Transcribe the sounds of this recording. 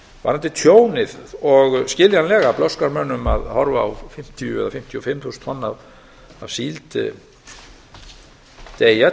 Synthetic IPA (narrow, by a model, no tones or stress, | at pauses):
va̰ɾant̪ɪt̪ʰjoːwnɪðɔɣscɪːljanlɛːɣaplɔskaɾmœnːʏma̰ðhɔɾvawfɪm̥t̪ʰijʏɛ̰ðafɪm̥t̪ʰjɔfɪmːθusnt̪ʰvɔnːav | avsiːlt̪ | t̪eːja